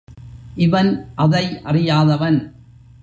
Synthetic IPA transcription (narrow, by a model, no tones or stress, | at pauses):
ʔɪʋɐnʔɐðɐɪʔɐrɪjaːðɐʋɐn